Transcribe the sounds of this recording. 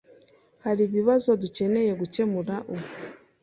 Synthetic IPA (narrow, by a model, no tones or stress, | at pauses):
haɾiβiβazo̞duce̞ne̞jeɡuce̞muɾaʔuk